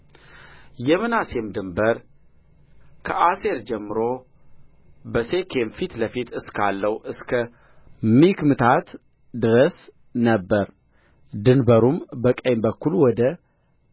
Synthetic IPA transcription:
jɛmɨnase̞md̪ɨmbəɾ | kʰəʔase̞ɾd͡ʒɛmːɨɾo | bəse̞kʰe̞mfit̪ləfit̪ɨskʰalːəwuʔɨskʰə | mikmɨt̪ʰat̪ | d̪ɨɾəs | nəbːəɾ | d̪ɨnbəɾumbəkʼəjmbəkʰːulwɔd̪ə

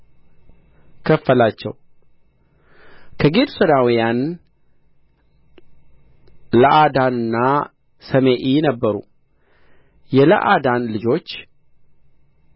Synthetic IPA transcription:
kʰəfːəlat͡ʃːɛ̰w | kʰəɡed̪usəd̪awijan | ləʔad̪anɨnːa | səmeʔinəbːəɾṵ | jɛlə̰ʔad̪anlɨd͡ʒo̞t͡ʃː

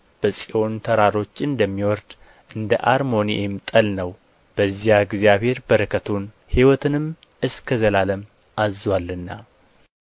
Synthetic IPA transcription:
b̥əsʼiʔo̞nt̪ʰəɾaɾo̞t͡ʃːɨnd̪əmːiwɔɾd̪ | ʔɨnd̪ə̰ʔaɾmo̞niʔemt̪ʼəlnəw | b̥əzijaɡzjaβhe̞ɾbəɾəkʰət̪ʰun | hiwɔt̪ʰɨnɨm | ɨskʰəzəlaləm | ʔazwalːɨnːa

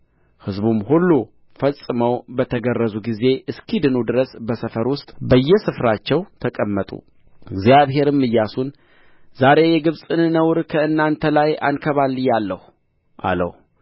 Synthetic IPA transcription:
hɨzbumhulːu | fəsʼɨməwbət̪ʰəɡərːəzuɡize̞ʔɨskʰid̪ɨnud̪ɨɾəsbəsəfəɾwʊst̪ʼbəjːɛsɨfɾat͡ʃːɛwt̪ʰəkʼəmːət̪ʼṵ | ɨɡzijaβɦe̞ɾɨmːɨjːasun | zaɾe̞jɛɡɨβsʼɨnnəwɾkʰəɨnːant̪ʰəlaja̰nkʰəβalːɨjːalːəhu | ʔa̰lə̰h

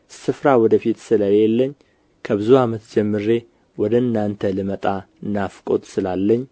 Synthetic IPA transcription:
sɨfɾawɔd̪əfit̪sɨlajelːəɲː | kʰəbɨzuamət̪d͡ʒɛmːɨɾe̞ | wɔd̪əɨnːant̪ʰəlɨmət̪ʼa | nafkʼo̞̰t̪ʼsɨlalːəɲː

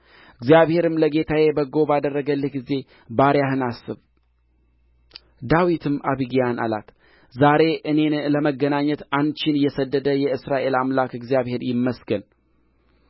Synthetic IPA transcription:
ɨɡzijaβhe̞ɾɨmləɡe̞t̪ʰaje̞bəɡo̞bad̪ərːəɡəlːɨɡize̞ | baɾjahɨnasːɨβ | d̪awit̪ʰɨmʔaβiɡijana̰la̰t̪ | zaɾe̞ʔɨne̞ləməɡːənaɲːət̪ant͡ʃɪnjɛsəd̪ːəd̪əjɛɨsɾaʔe̞lamlakɨɡzijaβhe̞ɾjɪmːəsɡən

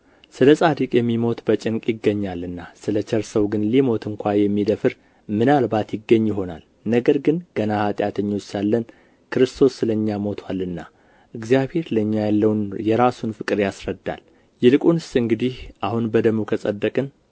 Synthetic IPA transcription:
sɨləsʼad̪ikʼjɛmːimo̞t̪bət͡ʃʼɪŋkʼjɪɡːəɲːalːɨnːasɨlət͡ʃʰɛɾsəwɡɨnlimo̞t̪ʰɨŋkʷʰajɛmːid̪əfɨɾ | mɨnalbat̪jɪɡːəɲːjɪɦo̞na̰l | nəɡəɾɡɨnɡ̥ənahat̪ʼjat̪ʰəɲːo̞t͡ʃsalːən | kʰɨɾɨst̪ʰo̞sːɨləɲːamo̞t̪ʰwalːɨnːa | ʔɨɡzijabhe̞ɾləɲːajalːəwnjɛɾasunfɨkʼɨɾjasɾəd̪ːa̰l | jɛlɨkʼunɨsɨŋɡɨd̪ihʔahunbəd̪əmukʰəsʼəd̪ːəkʼɨn

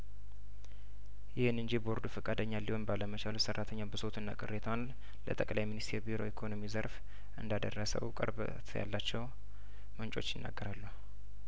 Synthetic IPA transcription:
jɪhɨnɨnd͡ʒibo̞ɾd̪ufəkʼad̪əɲːalːiho̞nbaləmət͡ʃʰalusərːat̪ʰəɲːabəso̞t̪ʰɨnːa̰kʼɨrːet̪ʰəwan | lə̰t̪ʼəkʼlajminist̪ʰe̞ɾbiɾo̞̰ikʰo̞no̞mizəɾf | ʔɨnd̪ad̪ərːəsə̰wkʼə̰ɾbət̪ʰja̰lːat͡ʃːɛw | mənt͡ʃʼo̞t͡ʃːjɪnːa̰ɡːəɾalːu

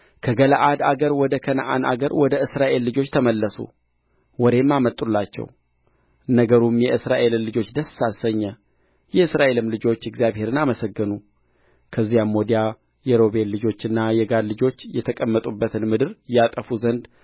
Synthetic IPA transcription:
kʰəɡəlaʔad̪aɡəɾwɔd̪əkʰənə̰ʔa̰nʔa̰ɡəɾwɔd̪əɨsɾaʔe̞lːɨd͡ʒo̞t͡ʃːt̪ʰəməlːəsṵ | wɔd̪e̞mːamət̪ʼːulːat͡ʃːɛ̰w | nəɡəɾumjɛʔɨsɾaʔe̞lɨnlɨd͡ʒo̞t͡ʃːd̪əsːasəɲːə | jɛɨsɾaʔe̞lɨmlɨd͡ʒo̞t͡ʃːɪɡzjaβhe̞ɾɨnaməsəɡːɨnu | kʰəzːijamːod̪ija | jɛɾo̞βe̞nlɨd͡ʒo̞t͡ʃːɨnːajɛɡad̪lɨd͡ʒo̞t͡ʃːjɛt̪ʰəkʼəmːət̪ʼubːət̪ʰɨnmɨd̪ɨɾjat̪ʼəfuzənd̪

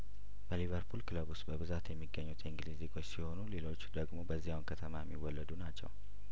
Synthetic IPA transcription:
b̥əlivəɾpʰulkɨləbusbəβɨzat̪jɛmːiɡːəɲːut̪ʰiŋɡliziɡʰot͡ʃːsiho̞nule̞lo̞t͡ʃːd̪əɡmo̞bəzːihawnkʰət̪ʰəmajɛmːiwːɔlːəd̪unat͡ʃːɛ̰w

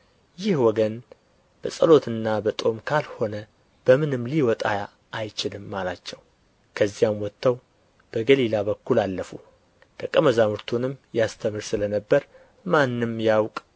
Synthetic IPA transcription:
jɪhwɔɡən | b̥əsʼəlo̞t̪ʰɨnːabət̪ʼo̞mkʰalho̞nə | b̥əmɨnɨmːliwɔt̪ʼajaː | jt͡ʃɪlɨmːalat͡ʃːɛw | kʰəzːijamwɔt̪ʰːəw | b̥əɡəlilaβəkːulalːəfu | d̪̥əkʼːəməzamɨɾt̪ʰunɨmjast̪ʰəmɨɾsɨlənəbːəɾ | manːɨmjawkʼ

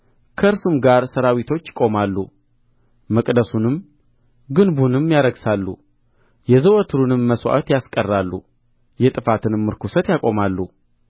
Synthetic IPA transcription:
kʰəɾsumɡaɾsəɾawit̪ʰo̞t͡ʃːɪ̥kʼo̞malːṵ | məkʼd̪əsunɨm | ɡɨnbunɨmjaɾəɡsalːṵ | jɛzəwot̪ʰɨɾunɨmːəswa̰t̪jaskʼərːalːṵ | jɛt̪ʼɨfat̪ʰɨnɨmːɨɾkusət̪jakʼo̞malːu

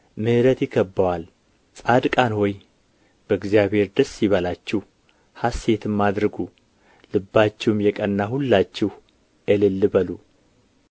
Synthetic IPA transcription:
mɨhɨɾət̪jɪkːəbːawal | sʼad̪kʼanhɔj | b̥əɨɡzijaβhe̞ɾd̪əsːiβəlat͡ʃːɛh | hasːe̞t̪ʰɨmːad̪ɾɨɡu | lɨbːat͡ʃːɛwmjɛkʼənːahulːat͡ʃːɛh | ʔɛlɨlːɨbəlu

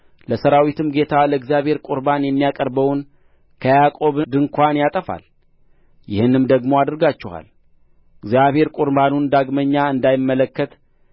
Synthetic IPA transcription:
ləsəɾawit̪ʰɨmɡe̞t̪ʰaləɡzjaβhe̞ɾkʼʊɾbanjɛmːijakʼəɾbəwn | kʰəjakʼo̞βd̪ɨŋkʰʷanjat̪ʼəfa̰l | jɪhɨnɨmd̪əɡmo̞ad̪ɨɾɡat͡ʃːɛha̰l | ɨɡzijaβhe̞ɾkʼʊɾbanund̪aɡməɲːaɨnd̪ajɪmːələkːət̪

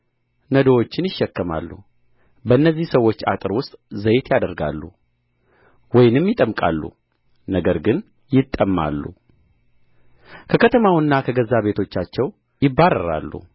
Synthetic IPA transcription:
nəd̪owot͡ʃːɪnjɪʃːɛkːəma̰lːu | bəɨnːəzːihsəwːo̞t͡ʃːa̰t̪ʼɨɾwʊst̪ʼzəjt̪jad̪əɾɡa̰lːṵ | wɔjɪnɨmjɪt̪ʼəmkʼa̰lːṵ | nəɡəɾɡɨn | jɪt̪ʼːəmːa̰lːṵ | kʰəkʰət̪ʰəmawɨnːakʰəɡəzːaβe̞t̪ʰo̞t͡ʃːat͡ʃːɛw | jɪbːaɾːə̰ɾa̰lːṵ

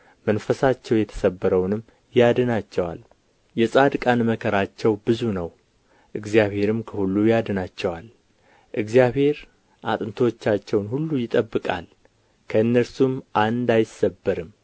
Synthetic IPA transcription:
mənfəsat͡ʃːɛwjɛt̪ʰə̥səbːəɾəwnɨm | jad̪ɨnat͡ʃːɛwa̰l | jɛsʼad̪ɨkʼanməkʰəɾat͡ʃːɛwbɨzunəw | ʔɨɡzijaβhe̞ɾɨmkʰəhulːujad̪ənat͡ʃːɛwal | ʔɨɡzijaβhe̞ɾ | ʔat̪ʼɨnt̪ʰəwot͡ʃːat͡ʃːɛwnhulːujɪt̪ʼəbːɨkʼa̰l | kʰəɨnːəɾsumʔand̪ajɪsːəbːəɾɨm

